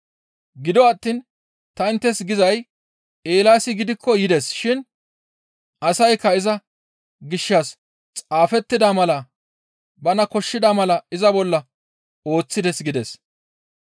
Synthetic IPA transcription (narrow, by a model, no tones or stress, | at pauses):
ɡɪd̪ɔɐt̪ːiːn | t̪ɐɪnt̪ːɛsɡɪzɐj | eːlaːsɪɡɪd̪ɪkʰːɔjɪd̪ɛsʃɪn | ʔɐsɐjkːɐɪzɐ | ɡɪʃːɐs | t͡sʼaːfɛt̪ːɪd̪ɐmɐlɐ | bɐnɐkɔʃːɪd̪ɐmɐlɐɪzɐbɔlːɐ | o̞ːt͡sːɪd̪ɛsɡɪd̪ɛs